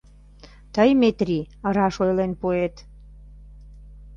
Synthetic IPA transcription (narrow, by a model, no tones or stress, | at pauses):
t̪əjmet̪rʲi | əɾɑʃojlenpuet̪